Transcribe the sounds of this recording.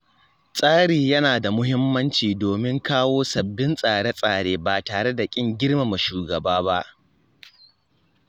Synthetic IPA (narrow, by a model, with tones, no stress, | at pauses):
sʼaː˦ɽiː˨jɐ˦naː˨da˨mʊ˦ɦɪ˦mːɐ˦nt͡ʃiː˨doː˨mɪ˦ŋkaː˦woː˦sɐ˨bːɪ˦nsʼaː˨ɽe˦sʼaː˨ɽeː˦baː˨taː˨ɽe˦da˨kʲʼɪ˦ŋɡʲɪ˦ɽma˨ma˨ʃuː˨ɡɐ˨baː˦ba˦ʔ